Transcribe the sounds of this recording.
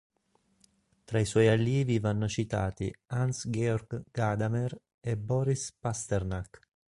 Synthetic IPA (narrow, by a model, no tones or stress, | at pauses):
t̪ɾaiswɔjaljiːvivanːʊt͡ʃit̪a̰ːt̪ḭansɡɛɔrɡɡad̪amɛr | ɛbɔːɾispast̪ɛrnak